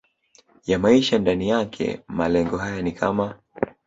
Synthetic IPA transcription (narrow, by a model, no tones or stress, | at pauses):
jamaiʃandanijakʰɛ̰malɛŋɡɔɦajanikʰama